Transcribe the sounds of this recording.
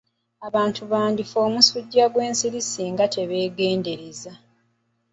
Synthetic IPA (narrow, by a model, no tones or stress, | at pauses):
aβaːntʰuβaːndifo̞ːmusuɟːaɡwe̞ːnsiɾisiŋɡatʰe̞βe̞ːɡe̞ːnde̞ɾeza